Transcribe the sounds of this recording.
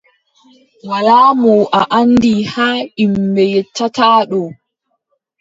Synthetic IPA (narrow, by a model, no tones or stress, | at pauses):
walaːmɔʔaʔandihaːimbɛjɛtʰːataːɗɔ